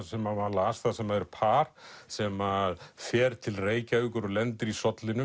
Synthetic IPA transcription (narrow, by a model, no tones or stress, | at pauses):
sɛmavalaast̪θasɛmaɛɾpʰaːɾ̥sɛmaðfɛːɾt̪ʰɪlreːjcaʏːkʏɾɔlɛnt̪ɪɾisɔt̪lɪnʏ